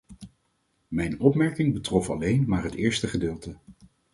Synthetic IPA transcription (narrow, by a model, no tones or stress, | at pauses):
mɛjnɔpmɛɹkɪŋbətrɔfɑ̰lejnmaːɹɦətɪːɹstəχədɪːlˠtə